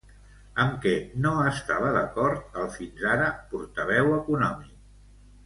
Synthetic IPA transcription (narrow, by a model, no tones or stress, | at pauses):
əmkɛnoəst̪aβ̞əðəkɔɾt̪̚əlˠfinzaɾəpuɾt̪əβ̞ɛwəkunɔmik̚